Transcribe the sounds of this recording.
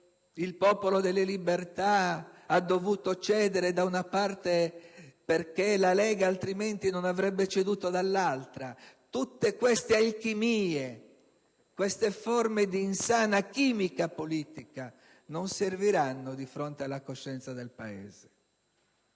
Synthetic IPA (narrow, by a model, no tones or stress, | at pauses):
ilpɔːpolod̪elːelibert̪aad̪ːovuːt̪ot͡ʃɛːd̪eɾed̪aunapart̪eperkelalɛːɡaːlt̪ɾiment̪inonavɾɛbːet͡ʃed̪uːt̪od̪alːalt̪ɾat̪ut̪ːekwest̪ealkimiːe | kwest̪eformed̪iːnsaːnak̟iːmikapoliːt̪ika | nonserviɾanːod̪ifɾont̪ealːakoʃːɛnt̪sad̪elpaɛ̰ːze̥